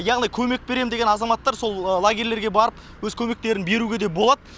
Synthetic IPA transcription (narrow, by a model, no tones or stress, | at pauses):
jɑʁnijkʲʰɵme̞k̚be̞ɾe̞md̪eɡʲenɑzɑmɑt̪ːɑɾso̞lˠlˠaɡʲeɾle̞ɾɡʲe̞bɑɾəp | wɵzkʲʰɵme̞k̚t̪e̞ɾɪnbe̞ɾuɡʲe̞d̪ebo̞lˠɑd̪ə